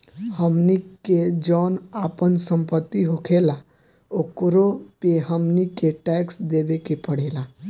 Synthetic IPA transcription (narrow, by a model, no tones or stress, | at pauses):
həmniked͡ʒɔnapənsəmpət̪ːiɦokʰela | okɾopeɦəmnikeʈɛksd̪ebekepəɽ̤ela